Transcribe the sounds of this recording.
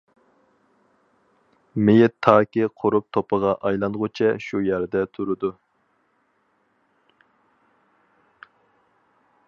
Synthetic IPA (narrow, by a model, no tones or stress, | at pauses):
mejɛt̪ʰːɑːkʲiqʰʊɾup̚t̪ʰopʰəʁɑʔɑjlˠɑnʁʊt͡ʃʰɛʃujæɾd̪ɛt̪ʰuɾɨd̪u